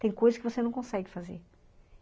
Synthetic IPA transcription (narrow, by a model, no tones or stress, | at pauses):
t̪ẽj̃kojzɐskɪvosenɐ̃w̃kõsɛɡɪfazḛɾ